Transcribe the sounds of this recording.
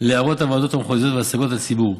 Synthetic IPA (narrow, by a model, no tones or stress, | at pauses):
leaʁot̪avado̞thamχozjo̞t̪veasaɡo̞that͡sibuʁ